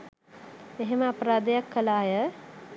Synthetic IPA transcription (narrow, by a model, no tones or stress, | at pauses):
eɦeməapəɾaːd̪əjakʰːəlaːjə